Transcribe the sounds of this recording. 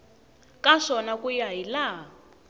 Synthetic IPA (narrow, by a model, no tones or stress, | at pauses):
kaʂɔnakujaɦila